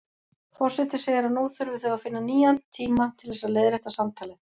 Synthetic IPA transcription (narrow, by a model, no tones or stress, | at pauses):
fɔr̥sɛt̪ɪseːjaɾanoːθʏɾvɪθœɣafɪnːaniːjant̪ʰiːmat̪ʰɪlðɛsaðleːðɾɛht̪asamt̪ʰaːlɪ